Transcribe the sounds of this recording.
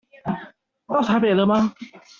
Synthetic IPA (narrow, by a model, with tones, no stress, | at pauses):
t̪ɑ˥˩t̪ʰa˧˥pe˨˩ɪlə˧˦ma˧